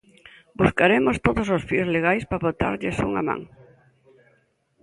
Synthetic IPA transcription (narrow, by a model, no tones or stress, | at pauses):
buskaɾemost̪oðososfiozleɣajspaβot̪a̰ɾʎɪsuŋa̰mã̰ŋ